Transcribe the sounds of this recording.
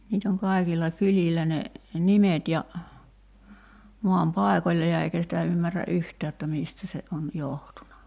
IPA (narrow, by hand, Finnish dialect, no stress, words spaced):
niːt oŋ kɑikilːɑ kylʲilːæ ne nimet jɑ moɑm pɑˑekolʲːɑ jɑ eikæ sitæ ymːærˑæ ʔyhtæː jotːɑ miːstæ se on johtunɑ